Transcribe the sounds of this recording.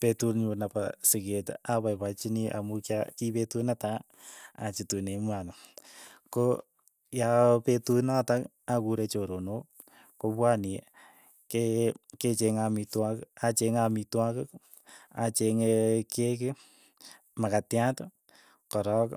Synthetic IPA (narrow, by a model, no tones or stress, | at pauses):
petuɾɲunapasɪketapajpat͡ʃiniʔamukakipetunata | at͡ʃitunemwanɔko | japetunatak | akuɾet͡ʃoɾono | kopwani | keket͡ʃeŋamitwakat͡ʃeŋamitwakɪk | at͡ʃeŋekekɪ | makatjat | kɔɾɔk